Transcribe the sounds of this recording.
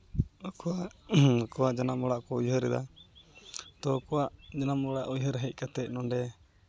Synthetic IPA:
ɔkɔwaʔkɔwaʔd͡ʒanamɔɽaʔkɔujɦəɾɛd̪a̰ | t̪ɔkɔwaʔd͡ʒanamɔɽaʔujɦəɾɦɛc̚ˀkat̪ɛc̚nɔɳɖɛ

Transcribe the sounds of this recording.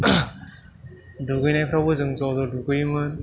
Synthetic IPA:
duɡɯjnajpʰɾawbɯzɯŋzɔdɔduɡɯjmɯn

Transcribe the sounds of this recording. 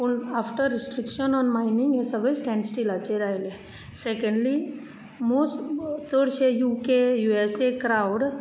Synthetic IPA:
punafʈəɾːisʈɾikʃənɔnmaɪnĩŋɡesəɡɭesʈɛ̃ɳɖsʈilat͡ʃeɾaele | sekə̃ɳɖli | most͡səɽt͡ʃejukejuesekɾawɖ

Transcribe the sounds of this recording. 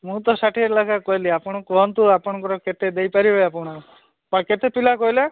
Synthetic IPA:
mũt̪ɔsaʈʰiɾlakʰakɔjliapɔɽ̃ɔ̃kɔnt̪uapɔɽ̃ɔ̃ŋkɔɾɔket̪ed̪ejpaɾiɦɔjapɔɽ̃ɔɾɔ | pɔket̪epilakɔɦila

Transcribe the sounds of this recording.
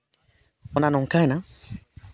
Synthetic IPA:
ɔnanɔŋ̩kana

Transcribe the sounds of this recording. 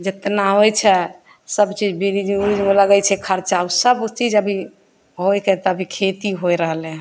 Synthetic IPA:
d͡ʒet̪naɦojt͡ʃʰɛ | səbt͡ʃid͡ʒbiɾid͡ʒud͡ʒmeləɡɛt͡ʃʰɛkʰəɾt͡ʃausəbt͡ʃid͡ʒəbʱi | ɦojkɛt̪ɔəbʱikʰet̪iɦojɾəɦle

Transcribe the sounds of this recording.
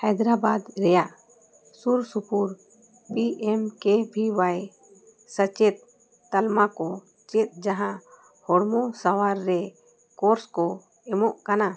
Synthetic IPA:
hɛjd̪ɾabad̪ɾɛjaʔ | suɾsupuɾ | piʔɛmkɛbʱiwaj | sət͡ʃɛt̪̚ː | almakɔ | t͡ʃɛt̪̚ˀd͡ʒaɦã | hɔɽmɔsawaɾːɛ | kɔɾskɔ | ɛmɔʔkana

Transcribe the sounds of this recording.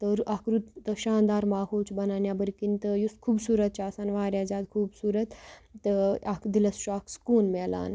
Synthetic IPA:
t̪əɾakɾut̪t̪əʃaːnd̪aːɾmaːɦot͡sbɐnaːnjabəɾkint̪əjuskʰuːbsuːɾət̪̚t͡ʃaːsanʋaːɾjad͡zaːd̪̚kʰuːbsuːɾət̪t̪ːəakd̪iləsʃakskonmɛla̰ːn

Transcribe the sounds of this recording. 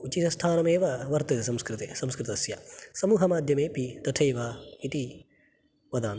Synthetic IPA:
ut͡ʃit̪ɐst̪ʰaːnɐmeːʋɐʋɐɾt̪ɐt̪esɐmskɾit̪esɐmskɾɪt̪ɐɐsjasɐmuːɦɐmaːd̪ʱjɐmeːpit̪ɐʈʰɐjʋaːit̪i | ʋɐd̪aːn

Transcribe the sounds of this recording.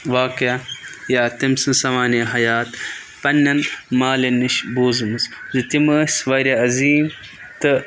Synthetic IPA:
ʋaːkiɐjaːt̪imsɨ̃sɐmaːniɦɐjaːt̪ | pɐnːɐnmaːlɐniʃbuːzɨmɨszit̪iməːsʋɐɾʲɐɐziːm | t̪ɨ

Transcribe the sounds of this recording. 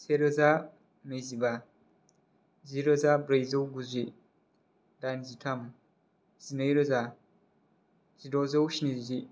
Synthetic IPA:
seɾɐza | nɐjziba | ziɾɐzabɾɐjzɐwɡuzʷi | danzitʰɐm | zinɐjɾɐza | zidozɐwʃinizid͡ʒi

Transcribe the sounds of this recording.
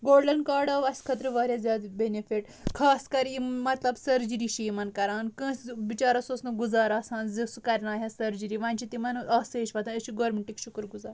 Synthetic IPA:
ɡoːlɖɐnkaːɾɖɐʋɐsʲkʰɐt̪ɾəʋaːɾʲjazʲjaːd̪benefiʈ | kʰaːskɐɾimɐt̪lɐbsɐɾd͡ʒɾiːʃiːmɐnkɐɾaːnkə̃sʋit͡ʃaːɾɐsosnɐɡuzaːɾaːsãːnzisukɐɾʲnaːɦɐsɐɾd͡ʒɨɾiʋãːnʲt͡ʃʰit̪imɐnɐseːʃʋɐt̪ʰãəʃiɡoːɾmeɳʈikʃukɾɡuzaːɾ

